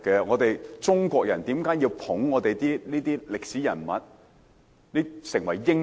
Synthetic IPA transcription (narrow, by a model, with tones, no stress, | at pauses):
kːɛ˧ŋɔː˨˧t̪e˨jt͡sʊ˥ŋkʷɔː˧k̚jɐ˨˩nt̪iː˨˥mkaː˨˥jiː˧wpʰʊ˨˥ŋːɔː˨˧t̪e˨jt̪iː˥niː˥t̪iː˥lɪ˨k̚siː˨˥jɐ̰˨˩nmɐ̰˨˥t̚ | niː˥sɪ˨˩ŋwɐ˨˩jːɪ˥ŋ